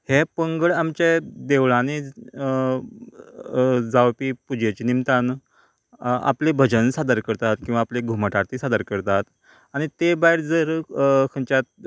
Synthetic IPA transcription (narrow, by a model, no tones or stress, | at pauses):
hepəŋɡəɭamt͡ɕed̪eʋɭani | d͡zawpiːpud͡ʑjet͡ɕinimt̪an | a̰plebʱəd͡ʑənsad̪əɾkəɾt̪at̪kĩw̃ʋaːpleɡʱuməʈaɾt̪isad̪əɾkəɾt̪at̪ | aɽ̃it̪ebaiɾd͡zəɾkʰəɲt͡ɕjat̪̚